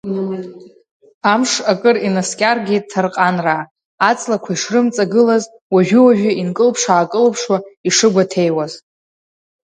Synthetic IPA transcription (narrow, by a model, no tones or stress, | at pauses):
amʂakʼɨrinaskʲʼarɡʲitʰarqʼanraː | t͡sʼlakʷʰaiʂrɨmt͡sʼaɡɨlaz | waʒᶣɪwaʒᶣʊinkʼɨlpʰʂaːkʼɨlpʰʂwaiʂɨɡʷatʰejwaz